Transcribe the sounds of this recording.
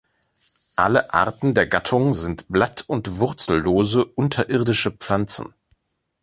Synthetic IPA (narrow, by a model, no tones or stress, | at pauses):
ʔa̰ləʔa̰ɐtn̩deːɐɡatʰʊŋzɪntb̥latʰʊntv̥ʊʁt͡sl̩ːoːzəʔʊntʰɐʔɪʁdɪʃəpp͡flant͡sn̩